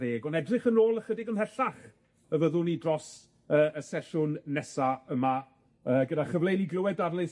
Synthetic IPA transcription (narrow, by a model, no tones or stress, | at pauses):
eːɡɔnɛdrɪχənoːlˠəχədɪɡənhɛɬaχ | əvəðʊnidrɔs | əːəsɛʃʊnːɛsaəma | əːɡədaχəvlˠejniɡlˠəwɛdadlˠɪs